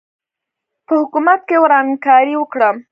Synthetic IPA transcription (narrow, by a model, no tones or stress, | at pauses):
pəhʊkumat̪̚kewɾɑŋkɑɾiwəkɽəm